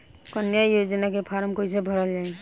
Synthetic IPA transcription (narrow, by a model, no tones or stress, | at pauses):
kɔnjajod͡ʒənakepʰaɾmkois̬ebʱɔɾəld͡ʒae